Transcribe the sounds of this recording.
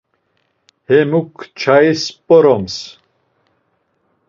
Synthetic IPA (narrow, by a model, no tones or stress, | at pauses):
hɛmukʰt͡ʃʰaispʼɔɾɔms